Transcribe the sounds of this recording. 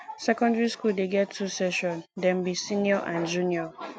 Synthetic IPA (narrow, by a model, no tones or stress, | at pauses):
sɛkʰɔ̃ndɹiskuldeɡɛttʰːusɛʃɔ̃ndɛ̃m̩bisĩnjɔʔãnd͡ʒũnjɔ